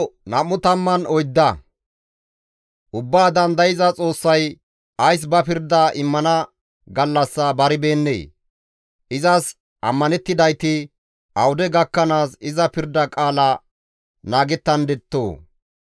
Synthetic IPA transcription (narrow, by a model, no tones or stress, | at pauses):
nɐmːʊt̪ɐmːɐnɔjd̪ːɐ | ʔʊbːaːd̪ɐnd̪ɐjɪzɐt͡sʼo̞ːsːɐj | ɐjs̬bɐpɪɾd̪ɐʔɪmːɐnɐ | ɡɐlːɐsːɐbɐɾɪbe̞ːnːḛː | ʔɪzɐs | ɐ̰mːɐnɛt̪ːɪd̪ɐjt̪ɪ | ʔɐwʊd̪ɛɡɐkːɐnaːsɪzɐpɪɾd̪ːɐkʼaːlɐ | naːɡɛt̪ːɐnd̪ɛt̪ːo̰ː